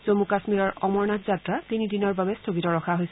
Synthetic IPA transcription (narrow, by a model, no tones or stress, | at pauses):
z̥omukasmiɹɔɹʔɔmɔɹnatʰz̥atɹatinidinɔɹbabɛstʰoɡitɔɹɔkʰaɦojsɛ